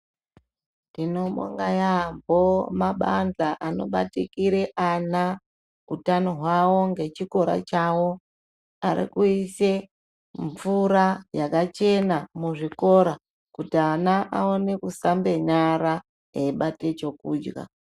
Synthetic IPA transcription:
dino̞mo̰ŋɡajambo̞maɓand͡ɮaʔano̞̰ɓa̰tikiɾe̞ʔana | utanoɦwawo̞ŋɡe̞t͡ʃiko̞ɾa̰t͡ʃawo̞ | aɾḭkuise̞ | ɱvuɾajakat͡ʃe̞namuʐiko̞ɾa | kutianaʔaone̞kusambe̞ɲaɾa | eiɓate̞t͡ʃo̞kuːd͡ʒɡa̰

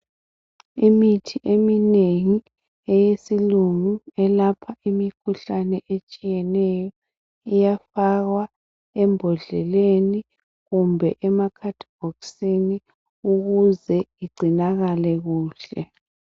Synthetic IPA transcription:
imitʰiʔemineŋi | ɛjesiluŋuɛlapʰaimikʰuɬanɛʔet͡ʃʼijɛnɛjɔ | ijafaɣwa | ɛmbʱɔɮɛleni | ɣumbʱɛʔɛmakʰatʰb̥ɔksini | uɣuzɛiɡ͡ǀʱinaɣalɛɣuːɬɛ

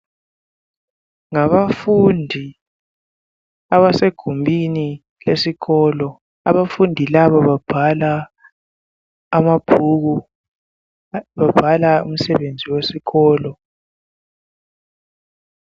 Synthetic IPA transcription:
ŋaβafundʱi | aβaseɡ̥ʱumbʱini | lesiɣɔːlɔ | a̰βafundʱilaβaβab̥ʱala | mab̥ʱuɣ̬u | βab̥ʱalaṵm̩sɛβend͡zʱiwesiɣɔːlɔ

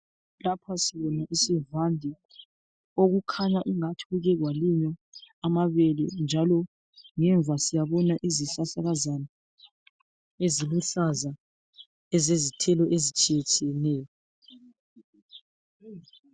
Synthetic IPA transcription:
lapʰasiβɔnaʔisivandʱi | oɣukʰaɲaʔiŋatʰuuɣɛɣwaliɲɔamaβɛlɛ̰nd͡ʒʱalɔ | ŋɛɱvʱasijaβɔnaʔiziɬaɬaɣazana | eziluɬaza | ɛzezitʰɛlɔʔezit͡ʃʼijɛt͡ʃʼijɛnɛːjɔ

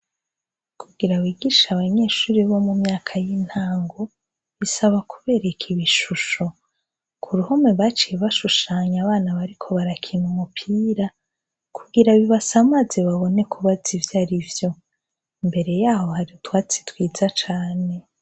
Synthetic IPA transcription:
kʰuɡiɾawiːɡiːʃaβaɲe̞ːʃuːɾiβo̞mumɲaːkʰajin̥haːŋɡo | βisaβakuβe̞ɾe̞kʰiβiʃuʃo̞ | kʰuɾuhomeβat͡ʃijeβaʃuʃaːɲaβaːnaβaɾikʰo̞βaɾakʰinumupʰiːɾa | kʰuɡiɾaβiβasamazeβaβo̞ne̞kʰuβazivjaɾivjo̞ | imbe̞ɾe̞jaːho̞haɾiutwaːt͡si̥twiːd͡zat͡ʃaːne̞

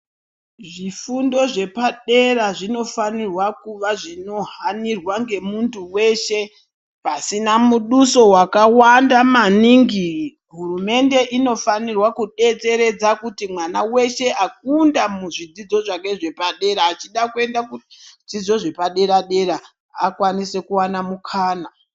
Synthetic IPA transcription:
ʐifundo̞ʐe̞paɗe̞ɾaʐino̞fanirwakuʋaʐino̞ɦanirwaŋɡe̞muntʰuwe̞ʃe̞ | pasinamuɗuso̞wakawandamaniŋɡi | ɦurume̞nde̞ʔino̞fanirwakuɗe̞t͡se̞ɾe̞d͡zakutimwanawe̞ʃe̞ʔak̚undamuʐid͡zid͡zo̞ʐake̞ʐe̞paɗe̞ɾaːt͡ʃiɗakue̞ndakud͡zid͡zo̞ʐe̞paɗe̞ɾaɗe̞ɾa | akwanise̞kuwanamukʰaːna

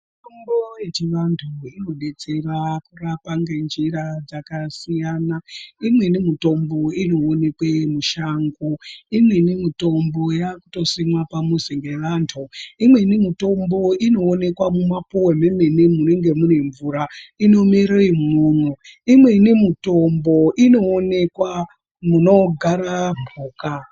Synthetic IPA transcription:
miitomboje̞t͡ʃiʋantʰuino̞ɓe̞t͡se̞rakurapaŋɡe̞nd͡ʒiɾad͡zakasijanaimwe̞inemito̞mbo̞ino̞ːne̞kwemuʃaŋɡoimwe̞inemito̞mbo̞jakuto̞simwapamuziŋɡe̞ʋantʰuimwe̞inemito̞mbo̞ino̞ːne̞kwamumapuweme̞me̞nemuneŋɡe̞mune̞ɱvuːɾaino̞miɾeimuːnoimwe̞inemito̞mbo̞ʔino̞ːne̞kwa | muno̞ɡʱaɾabʱuːka

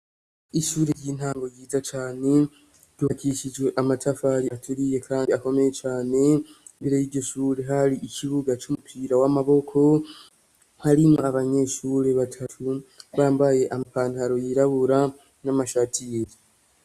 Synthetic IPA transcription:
iʃuːɾeɾjiːn̥haːŋɡo̞ɾjiːzat͡ʃaːne̞ | ɡuakiʃid͡ʒɡe̞ʔamatʰafaɾiatʰuɾije̞kʰaːndiako̞me̞je̞t͡ʃaːne̞ | mbiɾejiɟo̞ʃuːɾe̞ɦaɾiʔiciβuɡat͡ʃumupʰiːɾawamaβo̞kʰo̞ | haɾimŋoaβaɲe̞ʃuːɾe̞βatʰatʰuβaːmbaje̞ʔamapaːndaɾo̞jiɾaβuɾa | namaʃatʰieɾi

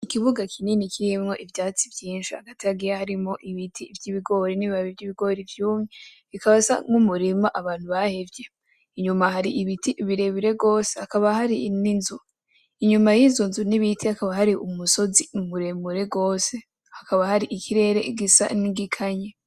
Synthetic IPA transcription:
ikiβuɡakʰininikʰiɾimŋo̞ʔivjaːt͡sivjiːnʃia̰ɡatiaɡijahaɾimo̞ʔiβitʰivɟiβiɡo̞ːɾiniβiβaβivɟiβiɡo̞ːɾivjuːmɲe | βikaβasa̰ŋumuɾimaʔaβaːn̥huβahevje̞ | iɲumaɦaɾiiβitiʔβiɾe̞βiɾe̞ɡo̞ːsehakaβahaɾininzu | iɲumajinzunzuniβitʰihakaβahaɾiʔumuso̞ziumuɾe̞muɾe̞ɡo̞ːse̞ | hakaβahaɾiʔikʰiɾe̞ɾe̞ɡisa̰niɡikʰaɲe

